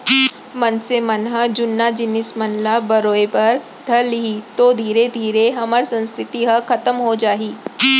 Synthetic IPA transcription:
mɐnsemɐnɦɐd͡ʒʊnːad͡ʒɪnɪsmɐnlabɐɾoːepɐɾ | d̪ʱɐɾliɦit̪od̪ʱiːɾed̪ʱiːɾeɦɐməɾsɐ̃nskɾɪt̪iɦɐkʰɐt̪əmɦod͡ʒaːɦiː

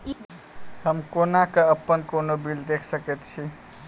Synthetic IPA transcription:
həmkonakəəpːənkonobild̪ekʰsəket̪t͡ʃʰi

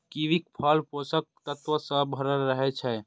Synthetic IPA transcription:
kiʋik̚pʰəlposək̚t̪ət̪ʋəsəbʱəɾəlɾəɦɛt͡ʃʰɛ

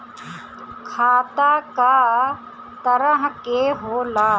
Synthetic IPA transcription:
kʰaːt̪aːkaː | t̪ɐɾəɦkeːɦoːlaː

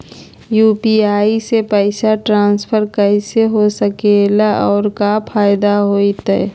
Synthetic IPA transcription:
juːpiaːisepɛɪsaʈɾãːnspʰəɾkəɪseɦosəkelaʔɔːɾkapʰaːjɪd̪aɦoːit̪ɛ̰

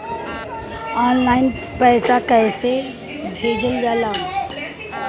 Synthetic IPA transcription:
ɔːnlaːɪn | pɛːsakɛːse | bʱeːd͡ʒəld͡ʒaːlaː

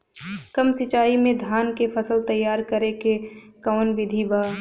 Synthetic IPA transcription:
kəmsɪt͡ʃaːimẽd̪ʱaːnkepʰəsəlt̪əjːaːɾkəɾekekaːnʋɪd̪ʱibaː

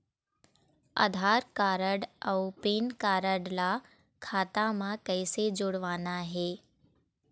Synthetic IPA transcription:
ə̰d̪ʱaːɾkaːɾəɽəpeːnkaːɾəɽla | kʰaːt̪amãkəɪsed͡ʒʊɽʋaːnaɦeː

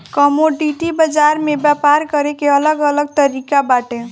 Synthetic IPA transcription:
kɔmoɖiʈibəd͡ʒaɾmebjapaɾkəɾekeələɡələɡ̚t̪əɾikabaʈe

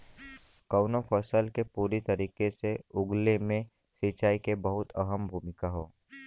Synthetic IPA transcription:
kəʊnofʰəsəlkepuːɾit̪ɐɾiːkeseʊɡlemẽ | sɪt͡ʃaːikebɐɦʊt̪ɐɦəmbʱuːmɪkaɦoː

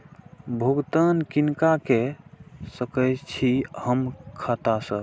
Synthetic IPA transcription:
bʱuɡt̪ankinkake | səkəjt͡ʃʰihəmkʰat̪asə

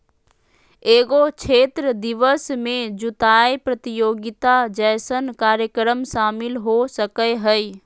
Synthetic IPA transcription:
eːɡot͡ʃʰeːt̪ɾəd̪ɪʋəsmẽd͡ʒʊt̪aːjpɾət̪ɪjoːɡɪt̪ad͡ʒəːsənkaːɾjəkɾəmʃaːmɪlɦosəkəjɦəi

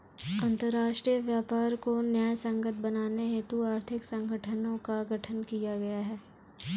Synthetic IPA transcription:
ɐ̃nt̪əɾːaːʃʈɾijəʋjaːpaːɾkonjaːjsɐ̃ŋɡət̪̚ʰbɐnaːneɦet̪uaːɾt̪ʰɪksɐ̃ŋɡʱəʈʰənõkaɡʱɐʈʰənkijaɡɐjaɦɛː

